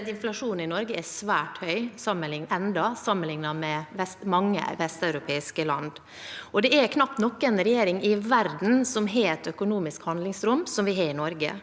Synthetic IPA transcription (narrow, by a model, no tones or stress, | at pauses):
t̪ɪnflɑʂuːnɪnɔɾɡəɛsʋæːʈhœʏsɑmːənlɪŋɛnd̪ɑsɑmːənlɪŋnɑmɛʋɛst̪mɑŋːə̰ʋɛst̪œʉɾʊpʰeːɪskəlɑ̰nd̪ | ʔɔd̪ɛʔɛɾkʰnɑpt̪nɔkːəɛnɾɛjeːɾɪŋɪʋæɾd̪n̩sɔmɦeːɛt̪œkʊnuːmɪskhɑnd̪lɪŋsɾʊmsɔmʋɪɦɑɾɪnɔɾɡə̰